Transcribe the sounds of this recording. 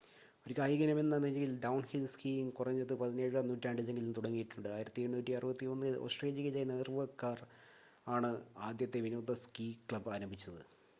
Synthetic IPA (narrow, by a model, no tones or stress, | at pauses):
o̞ɾukːaːjiɡɐnɐme̞nːɐneneŋɡilɖɐwɳhilskiiŋkurɐɲːɐðɨpɐðine̞ːɻɐnuːtːaːɳɖile̞ŋɡilumt̪uɽɐŋːijiʈːuɳɖɨaːjiɾɐt̪ːieɳːnuːtːiɐrɨbɐt̪ːio̞nːɨoːsʈreːlɐɣɐlajneːrʋɐrkːaːr | aːɳɨaːd̪jɐt̪ːe̞ʋinoːd̪ɐskiːkɭɐbaːɾɐmbʱit͡ɕːɐðɨ